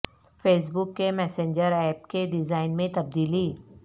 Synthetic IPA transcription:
feːs̬bʊkːemɛːsẽːɲd͡ʒəɾɛːp̚keɖɪzaːɪnmẽt̪ɐb̚d̪iːliː

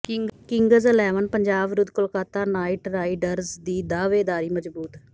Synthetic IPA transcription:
kɪŋɡəzəlɛːʋənpəɲd͡ʒaːʋɾʊd̪kʊlkaːt̪aːnaːɪʈɾaːɖəɾzd̪iːd̪aːʋeːd̪aːɾiːməd͡ʒbuːt̪

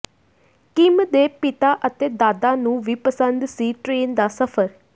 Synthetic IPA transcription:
kɪmd̪eːpɪt̪aːʔət̪eːd̪aːd̪aːnũːʋiːpəsə̃nd̪siːʈɾeːnd̪aːsəpʰəɾ

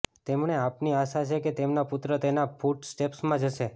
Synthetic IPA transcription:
t̪emɳeapniaʃat͡ʃʰeket̪emnaput̪ɾət̪enafʰuʈsʈepsmãd͡ʒəʃe

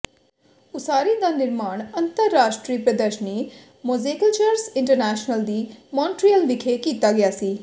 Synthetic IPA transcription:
ʊsaːɾĩd̪aːnɪɾmaːɳənt̪əɾːaːʃʈɾiːpɾəd̪əɾʃəni | mozeːkəlt͡ʃəɾsɪɳʈəɾnɛːʃnəld̪iːmɔ̃ːnʈɾijəlʋɪkʰekiːt̪aːɡɪjaːsiː

